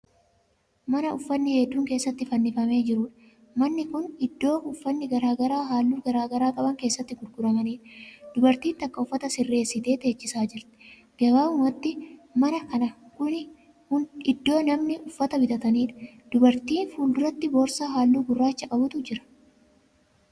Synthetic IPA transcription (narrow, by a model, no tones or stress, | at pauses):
mɐnɐʊfːɐnːɪhɛd̪ːuːŋke̞ːsːɐt̪ːɪfɐnːɪfɐme̞ːd͡ʒɪɾuːᶑɐ̥ | mɐnːɪkʊnɪd̪ːo̞ːʊfːɐnːɪɡɐɾaːɡɐɾaːɦaːlːuːɡɐɾaːɡɐɾaːkʼɐbɐŋke̞ːsːɐt̪ːɪɡʊɾɡʊɾɐmɐniːᶑɐd̪̥ʊbɐɾt̪iːnt̪ɐkːɐʊfːɐt̪ɐsɪrːe̞ːsːɪt̪e̞ːt̪e̞ːt͡ʃːɪsaːd͡ʒɪɾt̪ɛ̥ | ɡɐbaːʊmɐt̪ːɪmɐnɐkɐnɐkʊnɪ | kʊnɪd̪ːo̞ːnɐmnɪʔʊfːɐt̪ɐbɪd̪ɐt̪ɐniːᶑ̪ɐ̥ | d̪̥ʊbɐɾt̪iːnfuːld̪ʊɾɐt̪ːɪboːɾsaːɦaːlːuːɡʊrːaːt͡ʃːɐkʼɐbʊt̪ʊd͡ʒɪɾɐ̥